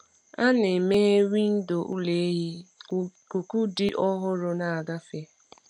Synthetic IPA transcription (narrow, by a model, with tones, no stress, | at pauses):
a˦ne˨me˦ɦe˦wi˦n̩˦do˨ʔṵ˦le˨e˦ɦi˦ | ku˨ku˦di˦ʔɔ˦ɦʊ˦ɾʊ˦na˨a˨ɡa˦fe˦